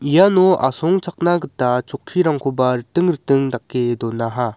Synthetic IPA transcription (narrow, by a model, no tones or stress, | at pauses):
ijanoa̰sʰoŋt͡ɕʰak̚naɡɯtat͡ɕokʰiɾaŋkʰobaɾɯt͈ɯŋɾɯt͈ɯŋdak͈ːedonaɦa